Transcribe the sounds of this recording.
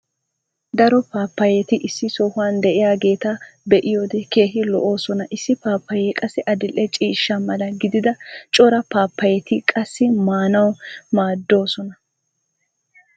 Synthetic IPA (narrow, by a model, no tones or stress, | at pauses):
d̪ɐɾɔpaːpːɐjɛt̪ɪʔɪsːɪsɔːhʊwaːnd̪ɛʔɪjaːɡe̞ːt̪abɛʔɪjoːd̪ɛke̞ːɦɪlɔ̰ʔo̞ːsɔnɐʔɪsːɪpaːpʰːɐjɛkʼɐsːɪʔɐd̪ɪlʔːɛt͡ʃʼiːʃːɐmɐlɐɡɪd̪ɪd̪ɐt͡ʃʼɔɾɐpaːpːɐjɛt̪ɪkʼɐsːɪmaːnɐwmaːd̪ːo̞ːsɔnɐ